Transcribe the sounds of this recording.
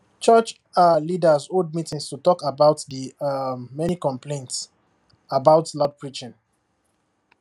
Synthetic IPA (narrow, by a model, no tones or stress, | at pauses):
t͡ʃət͡ʃ | alidəzod̚mitĩŋstutɔkabaʊtðə | mɛnikɔ̃mplẽnts | abaʊtlad̚pʰɹit͡ʃɪ̃n